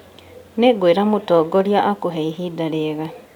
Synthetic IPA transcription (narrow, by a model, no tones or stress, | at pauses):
neɡweːɾamutɔːɡɔɾjaʔakoɦɛiɦidaɾeɣa